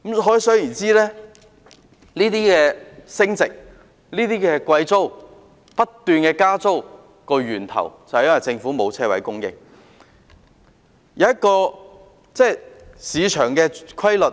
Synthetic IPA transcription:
mɦɔː˨˥jsɵ˥jiː˨˩nt͡siː˥lɛː˥ | liː˥t̪iː˥kɛː˧sɪ˥ŋt͡sɪ˨k̚ | liː˥t̪iː˥kɛː˧kwɐ˧jt͡so˥w | pɐ˥t̪ːyː˨nkɛː˧kaː˥t͡so˥w | kɔː˧jyː˨˩nt̪ʰɐ̰˨˩wt͡sɐ˨wjɐ˥nwɐ˨jt͡sɪ˧ŋfuː˨˥mo˨˧wt͡sʰɛː˥wɐ˨˥jkʊ˥ŋjɪ̰˨k̚ | jɐ˨˧wjɐ˥t̚kɔː˧ | t͡sɛː˥siː˨˧t͡ʃʰœː˨˩ŋkɛː˧kʰɐ˥jlɵ˨

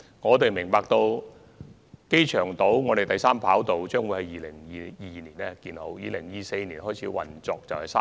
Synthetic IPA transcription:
ŋɔː˨˧t̪e˨jmɪ˨˩ŋpaː˧k̚t̪o˧w | ke˥jt͡ʃʰœː˨˩ŋt̪o˨˥wŋɔː˨˧ɾe˨jt̪ɐ˨jsaː˥mpʰaː˨˥wt̪o˨wt͡ʃœː˥ŋwjhɐ˨jiː˨˧lɪ˨˩ŋjiː˨jiː˨˧niː˨˩nɛ˥kiː˧nho˨˥wjiː˨˧lɪ˨˩ŋjiː˨˩se˧jniː˨˩nɦɔː˥˩jt͡sʰiː˨˧˥wɐ̰˨nt͡sɔː˧k̚t͡sɐ˨whɐ˨˩jsa̰˥

